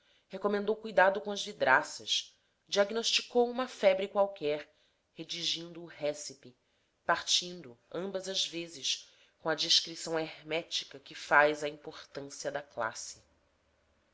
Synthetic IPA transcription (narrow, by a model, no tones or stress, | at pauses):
hekomẽnd̪owkujd̪ad̪ʊkõɐzvid̪ɾʔasɐʃ | d͡ʒiaɡnoʃt͡ʃikowũmɐfɛbɾikwawkɛɾ | hed͡ʒiʒĩnd̪ʊːɦɛsipi | paɾt͡ʃĩnd̪ʊɐ̃mbɐzɐzvezɪʃ | kõɐd͡ʒiʃkɾisɐ̃w̃eɾmɛt͡ʃi̥kɐkɪfajzɐĩmpoχt̪ɐ̃siɐd̪ɐkla̰sɪ̥